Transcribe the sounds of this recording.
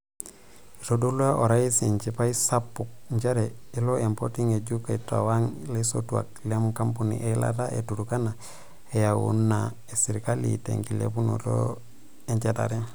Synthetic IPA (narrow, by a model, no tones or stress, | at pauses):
iɾodoluaʔoɾaisiɲt͡ʃipaisapːuk̚ɲd͡ʒeɾeiloempotiŋeɟukaita̰waŋleso̰tua̰k̚lemukampunḭʔela̰taḛtuɾukana | ejawṵnːa | esiɾkalḭtḛŋkilḛbuno̰ɾo̰ | eɲt͡ʃeta̰ɾe